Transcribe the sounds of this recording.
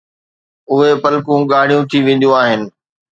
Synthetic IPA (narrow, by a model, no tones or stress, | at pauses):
ʊɦepɐlkũɠaːɽ̤̃ijũt̪ʰiʋẽːn̆d̪jũaːɦɪnɪ̆